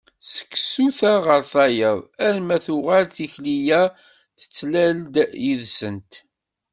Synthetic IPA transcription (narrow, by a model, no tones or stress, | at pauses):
sə̥kːsuθaʁəɾθɑjəðˤæɾmæθuʁalθiçlijæ | θə̥t͡sːlæld̪jiðsənt̪